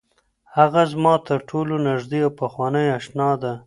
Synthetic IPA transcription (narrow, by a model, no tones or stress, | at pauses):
haɣazmɑt̪əɾʈʰolonaʒd̪iawpaxwɑnəjaʃnɑd̪a